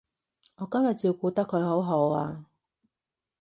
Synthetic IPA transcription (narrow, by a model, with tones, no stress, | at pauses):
ŋɔː˨˧kɐ˥mjɐ˨t̚ji˧wkuː˨˧t̪ɐ˥kʰːɵ˨˧ɥho˨˥wɦo˨˥waː˧